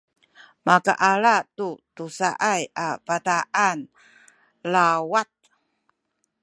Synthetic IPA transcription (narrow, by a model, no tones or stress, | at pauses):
maka̰ʔaɭatutusa̰ʔajapataʔan | lawat̪̚